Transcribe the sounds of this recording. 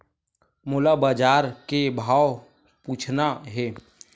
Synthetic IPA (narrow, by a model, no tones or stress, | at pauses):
mʊlabaːd͡ʒaːɾkebʱaːw | puːt͡ʃʰnaɦɛː